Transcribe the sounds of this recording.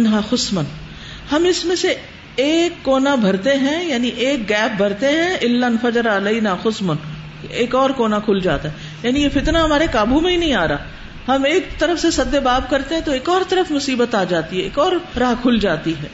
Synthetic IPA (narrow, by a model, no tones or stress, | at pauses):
nɦaxʊsmən | hɐmɪsmẽseː | kːoːnabʱɐɾt̪eɦɛ̃jaːniʔeːk̚ɡɛːp̚bʱɐɾt̪eɦɛ̃ɪlːɐnfɐd͡ʒɾaɐleɪnaːxʊsmʊn | eːkɔːɾkoːnakʰʊld͡ʒa̰ːt̪aɦɛ | jaːnijefɪt̪naɦɐmaːɾekaːbumẽɦĩnɐ̃ɦĩaːɾaː | hɐmeːk̚t̪ɐɾəfsesɐd̪ːebaːb̚kɐɾt̪ẽɦɛ̃t̪oeːkɔːɾt̪ɐɾəfmʊsiːbət̪aːd͡ʒaːt̪iɦɛeːkɔːɾɾaːɦkʰʊld͡ʒaːt̪iɦɛː